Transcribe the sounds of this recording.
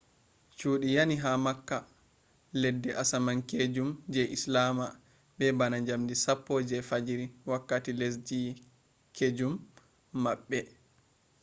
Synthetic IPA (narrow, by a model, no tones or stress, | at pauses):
t͡ʃuːɗijaniɦamakːa | ledːɛʔasamanked͡ʒumd͡ʒɛʔislama | ɓɛbanaɲd͡ʒamdisapːoːd͡ʒɛfad͡ʒɾiwakːatiles̬d͡ʒi | kʰed͡ʒumː | aɓːɛ